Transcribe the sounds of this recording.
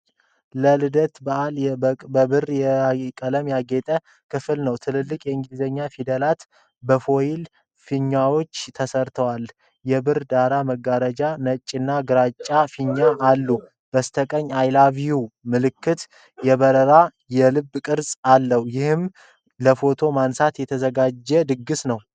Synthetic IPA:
ləlɨd̪ət̪baalbəbɨrjɛkʼələmjaɡet̪ʼə | kʰɨfɨlnəwt̪ʰɨlɨlːɨkʼjɛɨŋɡɨlizəɲːafid̪əlat̪ | bəfo̞jil | fiɲːawo̞t͡ʃːt̪ʰəsəɾt̪ʰəwal | jɛbɨrd̪aɾaməɡaɾəd͡ʒanət͡ʃʼːɪnːaɡɨɾat͡ʃʼːafiɲːaʔalːu | b̥əst̪ʰəkʼəɲːajlaβijumɨlɨkːɨt̪ | jɛβəɾəɾa | jɛlɨbːkʼɨɾsʼalːəhjɪhɨm | ləfo̞t̪ʰo̞mansat̪jɛt̪ʰəzəɡad͡ʒːɛd̪ɨɡːɨsnəw

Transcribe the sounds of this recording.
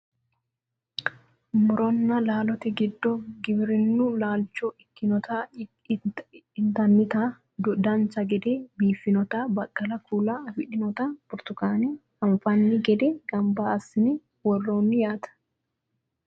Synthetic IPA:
mʊɾɔnːɐlaːlɔt̪ɛɡɪd̪ːɔɡɪbɪɾɪnːʊlaːlt͡ʃːɔɪkːɪnɔt̪a | ɪnt̪ɐnːɪt̪a | d̪ʊd̪ɐnt͡sɐɡɛd̪eːbiːfɪnɔt̪abɐkʼːɐlɐkʰuːlaɐfɪᶑɪnɔt̪abʊɾt̪ʊkaːnɛhɐmfɐnːɪɡɛd̪ɛɡɐmbɐɐsːɪnɛ | wɔrːoːnːɪjaːt̪ɐ̥

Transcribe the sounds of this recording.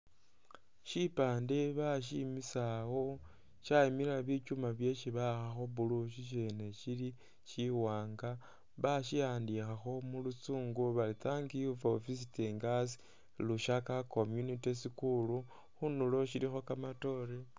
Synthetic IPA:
ʃipaːndeβaʃ̬imisawo̞ | ʃaimiɾaβit͡ʃumaβje̞ʃiβaxaxo̞βuluʃ̬iʃ̬ene̞ʃili | ʃiwaːŋɡa | βaʃijaːndixaxo̞mulut͡suːŋɡoβalitaŋɡijuvaofisiteŋɡas̬i̥ | luʃakakomjunitisikulu | xunulo̞ʃilixo̞kamato̞ɾe

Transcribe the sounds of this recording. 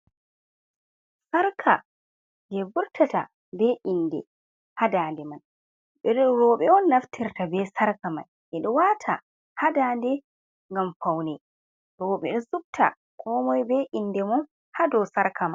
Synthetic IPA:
saɾkʰa | d͡ʒɛbuɾtʰata | bɛʔinːdɛ̰ | hadaːndɛman | ɓɛɗɔɾɔːɓɛɔnːaftʰiɾtabɛsaɾkama̰n | ʔɛɗɔwatʰa | hadaːndɛ | ŋɡamfawnɛ | ɾɔːɓɛ̰ɗɔsub̚tʰa̰ | kʰɔmɔjbɛʔinːdɛmɔn | hadɔsaɾkʰaman

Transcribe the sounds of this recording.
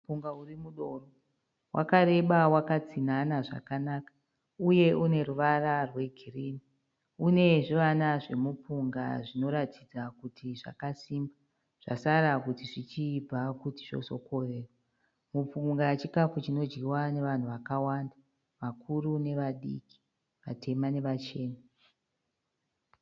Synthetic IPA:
upuŋɡaurimuɗo̞ro | wʔa̰kaɾe̞ɓawakat͡sinanaʐa̰kanaːkḁ | uje̞ʔune̞ɾuʋararwe̞ɡʱiriːni | une̞ʐiʋanaʐe̞mupuŋɡa̰ʐino̞ɾatʰid͡zakutʰiʐa̰kasiːmba | ʐ̥a̰saɾakutiʐit͡ʃib͡vakutiʐo̞̰so̞̰ko̞reːrwa | mup͡fuŋɡat͡ʃikafut͡ʃino̞d͡ʒɡiwane̞ʋan̤uʋakawanda | ʋakʰurune̞ʋaɗḭki̥ | ʋa̰tʰe̞mane̞ʋat͡ʃe̞ːna

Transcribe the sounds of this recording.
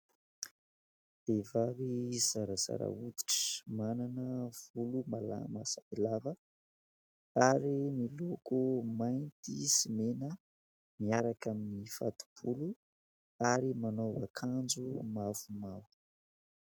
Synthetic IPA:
d̪̥evaviz̥aɾaza̰ɾa̰ud̪i̥ʈ͡ʂə̥mananəv̥ulumalamasailavə | aɾimilokumajnt̪isimenə | miaɾakaminifa̰t̪u̥b̥ulu | aɾimanovakʰand͡ʒumavumavu̥

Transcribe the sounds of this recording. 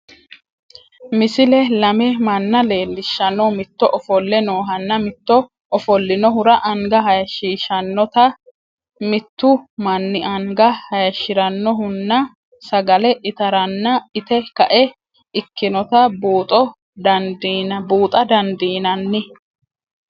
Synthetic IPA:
mɪsɪlɛlɐmɛmɐnːɐle̞ːlːɪʃːɐnɔmɪt̪ːɔʔɔfɔlːɛno̞ːɦɐnːɐmɪt̪ːɔ | ɔfɔlːɪnɔɦʊɾɐʔɐŋɡɐɦɐjɐʃiːʃɐnːɔt̪ɐ | mɪt̪ːʊmɐnːɪʔɐŋɡɐhɐjɐʃːɪɾɐnːɔɦʊnːɐ | sɐɡɐlɛʔɪt̪ɐɾɐnːɐɪt̪ɛkɐʔɛ | ɪkːɪnɔt̪ɐbuːt̪ʼɔ | d̪ɐd̪nbuːt̪ʼɐd̪ɐnd̪iːnɐnːɪ

